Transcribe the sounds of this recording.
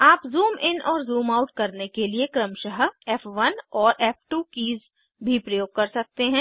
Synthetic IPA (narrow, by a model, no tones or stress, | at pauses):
aːpzuːmɪnɔːɾzuːmaːʊʈkɐɾnekeliekɾəmʃəɦɛːpʰʋɐnɔːɾʔɛːpʰʈuːkiːz | bʱipɾɐjoːɡ̚kɐɾsɐk̚t̪eɦɛ̃ː